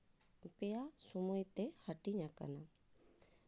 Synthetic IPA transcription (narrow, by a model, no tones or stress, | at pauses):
pejasumojt̪ehəʈiɲãkə̰na